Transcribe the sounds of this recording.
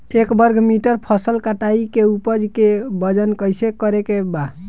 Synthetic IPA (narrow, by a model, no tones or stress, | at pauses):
ekbəɾɡʱmiʈəɾpʰəsəlkaʈaikeupəd͡ʒkebəd͡ʒənkəjsekəɾekeba